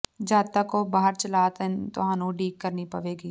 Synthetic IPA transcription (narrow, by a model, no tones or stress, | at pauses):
d͡ʒaːt̪akobaːɦəɾt͡ʃɐlaːt̪ənt̪o̰ɦãnũɖiːkkɐɾnipɐʋeːɡiː